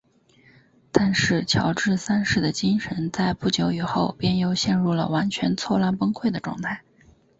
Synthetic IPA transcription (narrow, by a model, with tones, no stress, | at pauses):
t̪a˥˧nʂɻ̩˥˩t͡ɕʰjɑ˧˥ʊʈ͡ʂɻ̩˥˩sa˥nʂɻ̩˥˩d̪ə˩t͡ɕi˥ŋʂə˧˥nt͡sa˥˧ɪpu˥˩t͡ɕjo˧˥ʊy˨˩xo˥˧ʊpjɛ˥njo˥˩ʊɕjɛ˥˧nɻu˥˩lə̰˩wa˧˥nt͡ɕʰɥɛ˧˥nt͡sʰwɔ˥˧la˥˩npɤ˥ŋkʰwe˥˩ɪd̪ə˩ʈ͡ʂwɑ̰˥˧ŋt̪ʰa˥˩ɪ